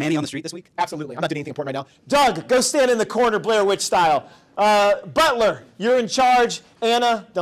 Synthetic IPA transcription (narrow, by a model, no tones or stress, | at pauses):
mæ̃niə̃n̩ðəstɹ̥it̚ðɪswikæb̥səlutˡliãɪmnətdʉɪ̃ŋ̃niθɪ̃ŋmpɔɹʔn̩ɹaɪnaʊ | d̥ʌɡɡoʊstæ̃ndɨ̃nðɨkʰɔɹnə˞blɛɹwɪt͡ʃstaɪlˠ | bʌtˡlə˞jə˞ɨ̃nt͡ʃʰɑɹd͡ʒ | æ̃nəd̃